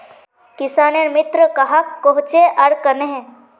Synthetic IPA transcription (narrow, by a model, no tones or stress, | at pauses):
kɪsaːneɾmɪt̪ɾəkɐɦakːoɦʊt͡ʃeʔɐɾkɐneɦɛ̃